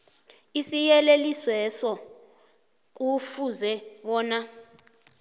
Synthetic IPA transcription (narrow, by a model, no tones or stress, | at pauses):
isijɛleliswɛsɔ | k̬ufuzɛɓɔːna